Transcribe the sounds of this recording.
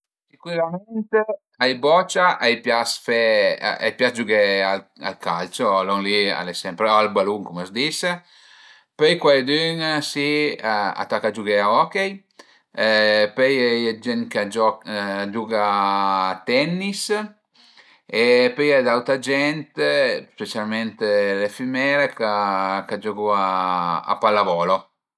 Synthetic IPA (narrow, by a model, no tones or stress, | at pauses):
sikwilamɛnt̪e | ajbɔt͡ʃaʔajpjasfɛa̰jpjasd͡ʒuɡɛaa̰lka̰lt͡ʃolɔŋlia̰lesɛmpɾɔalbaluŋkuməsd̪ise | pøjkwajd̪ynsia̰t̪ːakːad͡ʒuɡeaɔkej | pøjɛd͡ʒɛnkad͡ʒɔd͡ʒuɡa | t̪ɛnːis | epøjɛd̪awt̪ad͡ʒɛnt̪espet͡ʃalment̪elefymɛːɾekakad͡ʒɔkɔaa̰palːavɔːlo